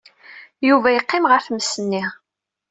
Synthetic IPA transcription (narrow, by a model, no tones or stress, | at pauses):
juvæjqːɪmʁəɾfməsːənːiʁ